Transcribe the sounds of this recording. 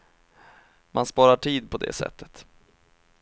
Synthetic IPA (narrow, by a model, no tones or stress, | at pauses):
mʔanspɑːɾaʈʰiːd̪̚pʰɔd̪ɛ̰sɛ̰t̪ʰːət̪